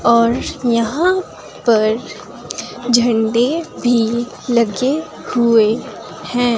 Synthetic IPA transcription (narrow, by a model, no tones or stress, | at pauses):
ɔːɾjɐɦã | pɐɾ | d͡ʒʱɐ̃ɳɖebʱi | lɐɡe | hue | hɛ̃ː